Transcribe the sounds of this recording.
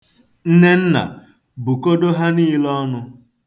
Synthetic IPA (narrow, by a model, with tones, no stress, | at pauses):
n̩˦ne˦n̩˦na̰˨ | bu˨ko˦do˦ɦa˦niː˦lɔ˦nʊ˦